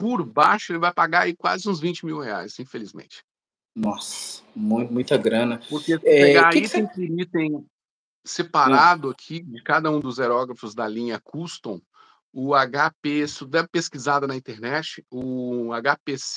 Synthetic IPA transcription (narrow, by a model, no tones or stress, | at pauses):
pʊɾbaʃʊelɪvajpaɡaaikwa̰zɪũzvĩt͡ʃɪmiwhea̰jsĩfelizmḛ̃t͡ʃɪ̥ | nɔsmũj̪̃mũj̃t̪ɐɡɾɐ̃nɐpʊɾkesɛeɡaeit̪ẽj̃kiɾit̪ẽj̃ | sepaɾad̪ʊakʰid͡ʒɪkad̪ɐũd̪ʊzeɾɔɡɾɐfʊzd̪ɐlĩɲɐkʰust̪õw̃ | ʊaɡapesud̪ɛpeskizad̪ɐnɐĩt̪eɾnɛt͡ʃɪʊaɡapes